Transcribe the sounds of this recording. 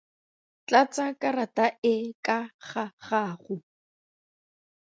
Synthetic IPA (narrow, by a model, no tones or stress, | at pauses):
t͡ɬat͡sakʼarataʔɪkʼaχaχaːχʊ